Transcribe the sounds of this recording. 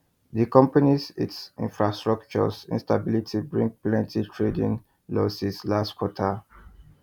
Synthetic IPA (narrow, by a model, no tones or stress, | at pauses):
dikɔ̃mpanisḭtsḭ̃nfɹastɹɔkt͡ʃɔ̰sḭ̃nstabilitʰibɹĩŋk̚plɛ̃ntitʰɹedḭ̃n | lɔsislastkʰwɔtʰa